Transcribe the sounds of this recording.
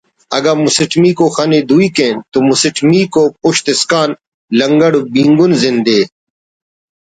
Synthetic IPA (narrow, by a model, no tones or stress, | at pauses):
ɐ̰ɡɐɾmʊsɪʈmiːkoxaːned̪uikẽːnt̪omusɪʈʰmiːkopʊɕt̪ɪskaːn | lɐŋɡɐɽbĩːŋɡunzɪnd̪eː